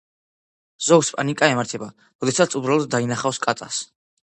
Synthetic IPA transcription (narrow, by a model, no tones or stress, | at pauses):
z̥ɔɡspʼanikʼaɛmaɾt̪ʰɛba | ɾɔd̪ɛsat̪sʰubɾalˠɔd̪̚d̪ainaχafskʼat̪ʼas